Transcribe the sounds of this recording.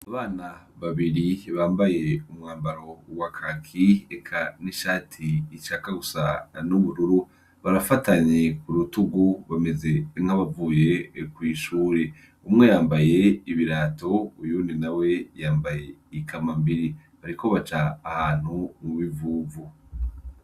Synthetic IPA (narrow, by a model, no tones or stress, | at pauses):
aβaːna | βaβiɾiβaːmbaje̞umŋaːmbaɾo̞ɡwakʰakʰiekʰaniʃaːtʰiːt͡ʃakaɡusanuβuɾuɾu | βaɾafataɲekuɾutuɡuβame̞ze̞ŋ̥haβavuːje̞kwiːʃuːɾe̞ | umŋe̞jaːmbaje̞iβiɾaːto̞ujuninawe̞jaːmbaje̞ikʰamambiɾi | βaɾiko̞βat͡ʃaːhaːn̥humuβivuːvu